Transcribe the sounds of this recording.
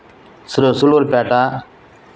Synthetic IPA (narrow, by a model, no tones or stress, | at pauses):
sɾosuloːlpaːʈaː